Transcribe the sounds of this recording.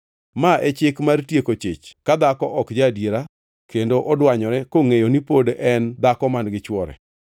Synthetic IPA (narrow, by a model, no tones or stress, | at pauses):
maʔɛt͡ʃɪkmartjekot͡ʃɪ̰t͡ʃkad̪akɔʔɔkd͡ʒadjeɾa | kendoʔɔdwaɲɔɾɛkoŋejonipodɛnd̪akɔmanɡɪt͡ʃwɔɾɛ̰